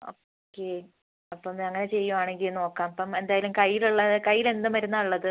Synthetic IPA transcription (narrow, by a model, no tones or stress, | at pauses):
o̰ː | kːe | ɐpːɐmɐŋːɐnet͡ɕe̞jːuaːɳeŋɡilno̞ːkːaːmɐpːɐme̞nd̪aːjɐlumkɐjːiluɭːɐkɐjːile̞nd̪ɨmʋɐɾunːɐuɭːɐðɨ